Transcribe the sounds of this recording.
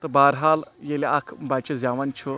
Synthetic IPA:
t̪ɐbaːɾɦaːljeleakʰbaːt͡ʃɐzʲaːʋɐnt͡ʃʰu

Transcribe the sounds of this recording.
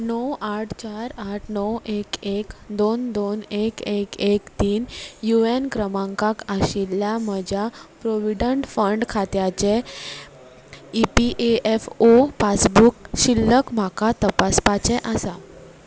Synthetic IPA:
nəwaʈʰt͡ɕaɾaʈʰnəwʔekekd̪ond̪onekekekt̪iːnjuenkɾəmãŋkakəɕilːjam̤əd͡ʑʱjapɾoʋiɖəɳʈfəɳɖkʰat̪jat͡se | ipiʔeefopat͡sbukɕilːəkm̤akat̪əpaspat͡ɕeʔasa

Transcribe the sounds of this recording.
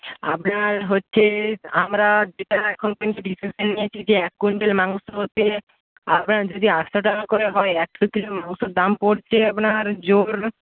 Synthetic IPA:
a̰pnaɾɦotːɕʰeamɾad̪it̪aɾɛkʰonkint̪uɖisisenːijet͡ɕʰid͡ʑeɛkːuɳʈelmaŋsɦot̪ːe | apnaɾd͡ʒod̪iasoʈ̬akoɾeɦɔeɛkʃokilomaŋsoɾd̪ampoɾt͡ɕʰeapnaɾd͡ʑoɾ

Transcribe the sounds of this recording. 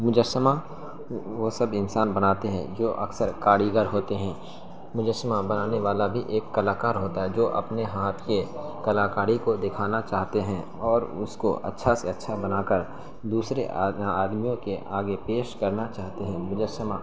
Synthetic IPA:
mʊd͡ʒəsəma | ʋosɐbɪnsaːnbɐnaːt̪eɦɛ̰̃d͡ʒoːʔɐ̰ksəɾkaːɽiːɡəɾɦoːt̪eɦɛ̃ː | mʊd͡ʒəsmabɐnaːneʋaːlabʱiʔeːkːɐlaːkaːɾɦoːt̪aɦɛd͡ʒoːʔɐ̰pneɦaːt̪ʰke | kɐlaːkaːɽikod̪ɪkʰaːnat͡ʃaːɦt̪eɦɛ̃ | ɔːɾʊsko̰ʔɐ̰tːʃʰaseɐtːʃʰabɐnaːkəɾ | d̪uːsɾḛaːd̪mijõkeʔaːɡepeːʃkɐɾnat͡ʃaːɦt̪eɦɛ̃mʊd͡ʒəsəma

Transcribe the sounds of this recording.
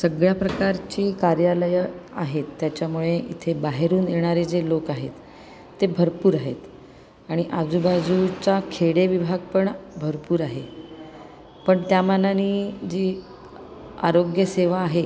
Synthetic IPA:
səɡɭjapɾəkaɾt͡ɕiːkaɾjaləjəaɦet̪ːjat͡ɕjamuɭeʔḭt̪ʰebaɦeɾuːnjeɽ̃aɾed͡zelokaɦḛt̪ː | ebʱəɾpuːɾaɦḛt̪ | aɽ̃iʔad͡zubad͡zut͡ɕakʰeɽeʋibʱaɡ̚pəɳbʱəɾpuːɾaɦḛ | pəɳt̪jamalanid͡ʑi | a̰ɾoɡjəseʋaːɦe

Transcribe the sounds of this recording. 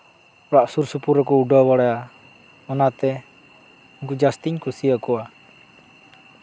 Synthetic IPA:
ɔɾaʔsursupuɾɛkuuɖɔwaɽea | ɔnat̪ɛ | ŋkud͡ʒast̪iɲkusiakua

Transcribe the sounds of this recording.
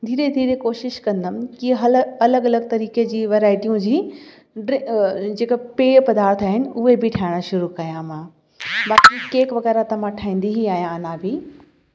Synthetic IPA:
d̪ʱiːɾed̪ʱiːɾekoːʃɪʃkɐ̃nd̪əmkiɦɐlɐləɡɐləɡ̚t̪ɐɾiːked͡ʑiːʋɐɾaːɪʈijũd͡ʑiː | ɖɪ̃d͡ʑeːkəpeːpɐd̪aːɾt̪ʰaːɦɪnɪ̆ʊɦebɪʈʰaːɪɽ̃əʃʊɾukɐjãmãː | baːkikeːkʋɐɣɛːɾat̪ɐm̤ãʈʰaːɦĩːn̆d̪iɦiaːɦijãnãːbʱiː

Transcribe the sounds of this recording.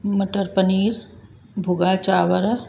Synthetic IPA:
məʈəɾpəniːɾ | bʱʊɡaːt͡ʃaːʋəɾ

